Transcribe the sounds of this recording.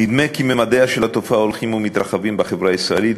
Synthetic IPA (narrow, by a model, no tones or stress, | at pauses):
nid̪me̞kimemad̪eaʃelat̪ofaolχimumit̪ɾaχavimbaχevʁaisʁaelit̪